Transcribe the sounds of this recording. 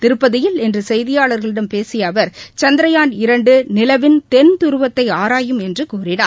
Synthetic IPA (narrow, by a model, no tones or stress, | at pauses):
t̪ɪɾɯpːɐðɪjɪlɛndrɯsɛjðɪjaːɭɐɾɣɐɭɪɽɐmpeːsɪjɐːʋɐɾt͡ʃɐnd̪ɾɐjaːnɪɾɐɳɖɯnɪlɐʋɪnt̪ɛnt̪ʊɾɯʋɐt̪ːɐɪaːɾaːjɯmɛndrɯkuːrɪna̰ː